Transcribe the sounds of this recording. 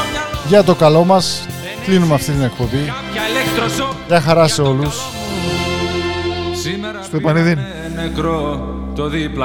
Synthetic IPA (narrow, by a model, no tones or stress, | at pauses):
ʝɐt̪̬o̞kɐlo̞mɐs | klinumeɐft̪it̪ine̞k̚po̞bi | lekt̪ɾosʝɐxɐɾɐse̞o̞lus | si | st̪oepɐniðin | nekɾo | t̪oðiplɐ